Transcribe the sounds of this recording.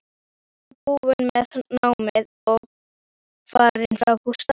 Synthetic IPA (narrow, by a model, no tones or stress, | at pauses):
ɛpuːvʏnmɛðnaːwmɪð | ɔɣ | faːɾɪnfɾawkust̪a